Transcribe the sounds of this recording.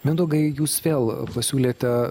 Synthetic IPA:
mʲɛd̪oːɡɐɪjuːsʋʲeːlˠpɐsʲuːlʲeːt̪ʲɛ

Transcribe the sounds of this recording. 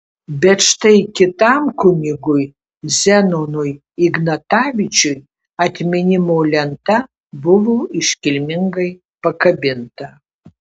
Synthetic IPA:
bʲɛʈ͡ʂʰtʰɐjkʲɪtamkʰʊnʲiɡuj | zɛnonuj | iɡnɐtavʲit͡ʃʰuj | atʲmʲinʲimowlʲɛntʰa | buvuiʂkʲɪlʲmʲɪŋɡɐj | pɐkɐbʲɪntʰɐ

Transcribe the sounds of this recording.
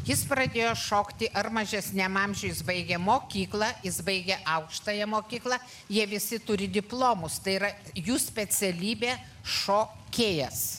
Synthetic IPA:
jɪspɾɐd̪ʲeːjoːʃoːkt̪ʲɪʔɐrmɐʒʲɛsʲnʲɛmɑːmʲʒʲʊːjɪsbɐɪɡʲɛmoːkʲiːklˠɑjɪsbɐɪɡʲɛʔɐʊkʃt̪ɐjɛmoːkʲiːklˠɐ | jiɛʋʲɪsʲɪt̪ʊɾʲɪd̪ʲɪplˠoːmʊst̪ɐɪiɾɐjuːsʲpʲɛsʲɛlʲiːbʲeː | ʃoː | kʲeːjɛs

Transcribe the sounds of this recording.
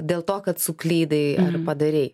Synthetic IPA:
d̪ʲeːlˠt̪oːkɐt̪sʊklʲiːd̪ɐɪɐrpɐd̪ɐɾʲɛɪ

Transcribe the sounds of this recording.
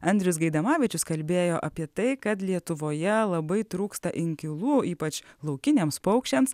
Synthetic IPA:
ɐnʲd̪ʲɾʲʊs̬ɡɐɪd̪ɐmɑːʋʲɪt͡ʃʲʊskɐlʲbʲeːjoːʔɐpʲiɛt̪ɐɪkɐt̪lʲiɛt̪ʊʋoːjɛlˠɐbɐɪt̪ɾuːkst̪ɐʔɪŋʲkʲɪlˠuːiːpɐt͡ʃlˠɐʊkʲɪnʲeːmspɐʊkʃʲt͡ʃʲɛms

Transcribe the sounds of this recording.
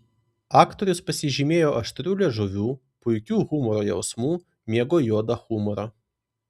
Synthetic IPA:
ɑːkt̪oɾʲʊspɐsʲɪʒʲɪmʲeːjoːʔɐʃt̪ʲɾʲuːlʲɛʒʊʋʲuː | pʊjkʲuːɣumɔɾojɛ̰ʊsmuː | mʲeɛɡojoːd̪ɐxumɔɾɐ

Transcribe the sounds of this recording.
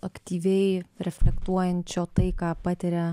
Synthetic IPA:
ɐkt̪ʲiːʋʲɛɪɾʲɛfʲlʲɛkt̪uɔjɛnʲt̪ʲt͡ʃʲoːt̪ɐɪkɑːpɑt̪ʲɪɾʲɛ

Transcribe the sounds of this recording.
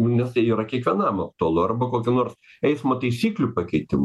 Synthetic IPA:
nʊnʲɛst̪ɐɪiːɾɐkʲiɛkʋʲiɛnɑmɐk̚t̪ʊɐlˠʊɐrbɐkoːkʲʊnoːrs | ɛɪsmoːt̪ɐɪsʲiːklʲupɐkʲɛɪt̪ʲɪm

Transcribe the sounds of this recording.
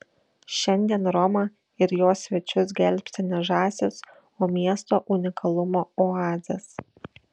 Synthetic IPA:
ʃʲɛnʲd̪ʲiɛnɾɔmɐ | ɪɾjoːsʲʋʲɛt͡ʃʲʊs̬ɡʲɛlʲpʲsʲɪnʲɛʒɑːsʲɪs | oːmʲiɛst̪oːʔʊnʲɪkʰɐlˠʊmoːɔɑːzʲɐs

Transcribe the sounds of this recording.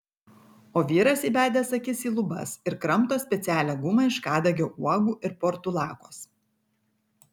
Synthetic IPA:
oːʋʲiːɾɐsʲiːbʲæːd̪ʲeːsɐkʲɪsʲiːlˠʊbɐ̰sɪɾkɾɐmt̪oːsʲpʲɛt̪sʲæːlʲɛɡʊmɑɪʃkɑːd̪ɐɡʲoːʔuɔɡuːʔɪɾpɔɾt̪ulˠɑːkoːs

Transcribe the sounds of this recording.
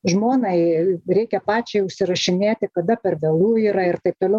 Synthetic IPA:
ʒmoːnɐɪɾʲɛɪkʲɛpɑːt͡ʃʲɛɪʊʃʲsʲɪɾɐʃʲɪnʲeːt̪ʲɪkɐd̪ɐpʲɛrʋʲɛlˠuːiːɾɐɪrt̪ɐɪp̚t̪oːlʲɛʊ

